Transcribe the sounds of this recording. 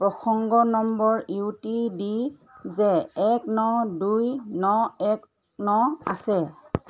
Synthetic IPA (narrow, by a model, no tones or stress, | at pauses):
pɹɔxʰɔŋɡɔnɔmbɔɹiwtidizɛːknɔdujnɔɛk | nɔa̰sɛ